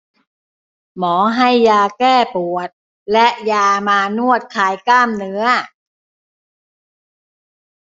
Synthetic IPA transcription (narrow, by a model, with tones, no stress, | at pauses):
mɔː˩˦ɦa˥˩jːaː˧kɛː˥˩pu˨˩ət̪̚ | lɛ˦˥ʔjaː˧maː˧nu˥˩ət̪̚kʰaː˧jklaː˥˩mnɯ˦˥ɐ